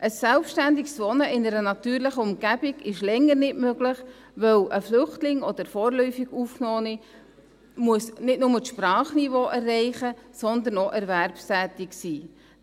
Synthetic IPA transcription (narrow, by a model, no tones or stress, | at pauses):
ʔəsːɛlpʃtænd̪ɪksʋɔnəɪnəɾənɑt̪yːɾlɪχəʊmɡ̥æb̥iɡɪʃlɛŋːəɾnɪtmøɡlɪχ | ʋœwʔəflʏχtlɪŋɔd̥̪əɾfɔːɾlœʏfiɡuːfknɔːnɪ | muəsnɪtnʊməʃprɑːχnivoːʔɛrːɛɪχəsɔnd̪ənɔʔɛɾvæɾpstæːt̪ɪksiː